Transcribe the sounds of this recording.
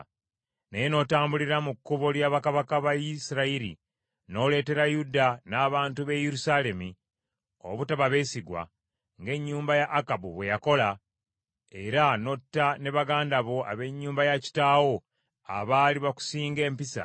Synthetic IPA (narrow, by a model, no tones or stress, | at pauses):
nejeno̞ːtaːmbuliɾamukːuβo̞ljaːβakaβakaβajisiɾaiɾḭ | no̞ːle̞ːte̞ɾajudanaːβaːntuβe̞jeɾusale̞mi | o̰βutaβaβe̞ːsiɡwa̰ | ŋɡe̞ɲːuːmbajaʔːkabuβwe̞jako̞la | e̞ɾano̞tːane̞βaɡaːndaβo̞a̰βe̞ɲːuːmbajaci̥taːwo̞ | a̰βaːliβaku̥siːŋɡe̞ːmpisa̰